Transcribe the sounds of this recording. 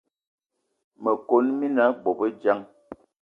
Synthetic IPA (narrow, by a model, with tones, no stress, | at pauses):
mə˨ko˦nmi˦na˦bɔ˨bə˦d͡ʒa˦ŋ